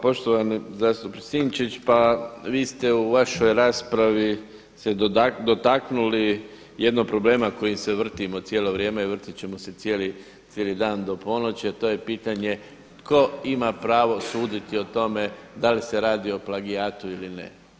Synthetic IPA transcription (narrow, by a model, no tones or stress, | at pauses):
po̞ʃt̪oʋanizaːst̪upsiːnt͡ʃit͡ɕpaʋiːst̪e̞uʋaʃojɾaːspɾaʋi | sed̪o̞t̪aknuli | jed̪noɡ̚pɾo̞ble̞ːmako̞jimseʋr̩t̪imot̪sjeːlo̞ʋɾje̞ːmeiʋr̩t̪it͡ɕemo̞se̞t̪sjeːli | t̪sjeːlid̪aːnd̪o̞po̞not͡ɕiat̪o̞ːjepiːt̪aɲe̞ | t̪ko̞imapɾaːʋo̞suːd̪it̪io̞t̪o̞me̞d̪aliseɾaːd̪io̞plˠaɡiaːt̪uilinḛ